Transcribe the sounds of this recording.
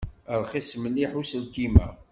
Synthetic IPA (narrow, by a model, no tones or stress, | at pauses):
əɾˤχisməniħusəlkimæ̰